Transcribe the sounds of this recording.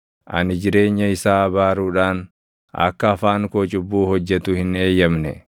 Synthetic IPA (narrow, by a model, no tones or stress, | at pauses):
ʔɐ̰nɪd͡ʒɪɾe̞ːɲːɐɪsaːɐbaːɾuːᶑaːn | ɐ̰kːɐːfaːŋkoːt͡ʃʼʊbːuːhɔd͡ʒːɛt̪ʊhɪne̞ːjːɐmnɛ̰